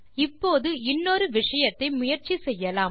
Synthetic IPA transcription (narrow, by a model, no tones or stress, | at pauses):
ɪpːoːðɯɪnːoːɾɯʋɪʂɐjɐt̪ːɐɪmʊjɐɾt͡ʃisɛjːɐlaː